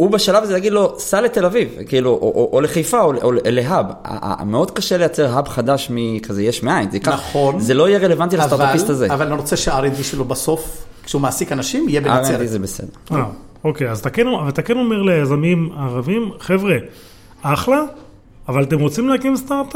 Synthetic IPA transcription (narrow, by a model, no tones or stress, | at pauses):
ubeʃalavzejaɡid̪lo̞sale̞t̪e̞lavivkiiluʔoʔoʔoleχajfaolʔoleleɦaba̰a̰meo̞d̪kaʃe̞le̞jat͡se̞ʁɦabχad̪aʃmikazejeʃmeajnzeikaaonzelo̞ijeʁe̞levant̪ilaat̪aʁtvapist̪azeavaleʁot͡seʃeaaʁend̪iʃelobaso̞f | kʃeumaːsikanaʃimijebeaʁed̪izebesḛd̪eʁa | okejazt̪akenoavat̪akeno̞meʁlejazamimaʁavimχevʁe | aχlaː | valat̪emʁot͡simleakimst̪aʁt̪a